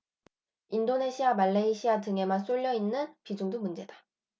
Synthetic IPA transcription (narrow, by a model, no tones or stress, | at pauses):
indone̞ɕʰiamaɭːeiɕʰiatɯŋe̞mans͈oʎːʌinːɯnpid͡ʑuŋdomund͡ʑe̞dḁ